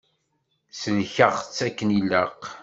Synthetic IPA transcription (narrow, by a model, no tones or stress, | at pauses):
səlçəʁt͡sːækːənilːəq